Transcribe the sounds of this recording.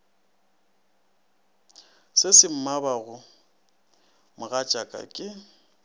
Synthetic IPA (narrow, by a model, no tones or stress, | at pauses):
sɪsɪm̩mabaɣʊ | mʊɣat͡ʃʼakʼa̰kʼɪ